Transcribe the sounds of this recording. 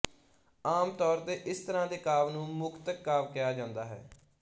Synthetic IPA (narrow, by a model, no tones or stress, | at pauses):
aːmt̪ɔːɾt̪eːʔɪst̪əɾãːd̪eːkaːʋnũːmʊkt̪əkːaːʋkɪjaːd͡ʒãːnd̪aːɦɛ̰ː